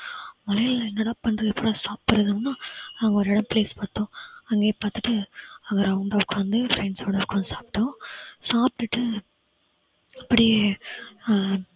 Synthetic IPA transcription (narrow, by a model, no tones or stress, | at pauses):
mɐlɐjɪlɛnːɐɽaːpɐnːɾɯðɛpːɔlɐ̃saːppɐɾɐðɯmnːaːnaːŋɡɐɔɾɪɽɐ̃mpleːspɐɾt̪õːɐŋɡeːpaːɾt̪ɯʈːɯɐŋɡɐɾɐʊɳɖaʋɯkːʋɐnd̪ɯfɾɛɳɖsoːɽɐɾɯkːõːsaːpʈːõːsaːp̚ʈːɯʈːɯ | ɐpːɐɽɪe